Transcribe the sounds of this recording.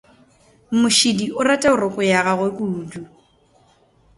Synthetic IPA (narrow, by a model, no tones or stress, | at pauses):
m̩mʊʃidiʔʊratʼaʊrɔkʼʊjaɣaɣwekʼudu